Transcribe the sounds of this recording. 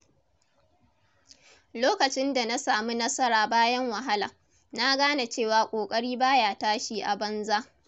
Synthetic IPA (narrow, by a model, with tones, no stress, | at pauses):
loː˦kɐ˨t͡ʃɪ˦nda˨na˦saː˨mu˦nɐ˦sɐ˦ɾaː˨baː˦jɐ˦ŋwɐ˨ɦa˦la̰ː˨ | na˦ɡaː˦na˨t͡ʃeː˦˨waː˨kʷʼoː˨kʼɐ˦ɽiː˦baː˦jaː˨taː˦ʃiː˦ʔa˨bɐ˦nzaː˦ʔ